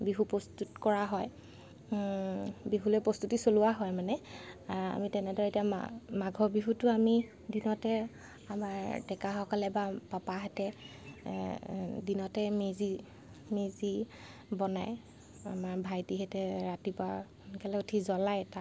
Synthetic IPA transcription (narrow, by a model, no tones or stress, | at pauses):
biɦupɔstutkɔɹaɦɔj | biɦulojpɹɔstutisoluwaɦɔjmanɛ | a̰mitɛnɛdɔɹɛtiam̰maɡʱɔbiɦutʊami | dinɔtɛ | amaɹdɛkaxɔkalɛbapapaɦatɛ | dinɔtɛmezi | mezi | bɔnaj | a̰maɹbʱajtiɦɛtɛɹatiba | nkɛlɛotʰizɔlajɛta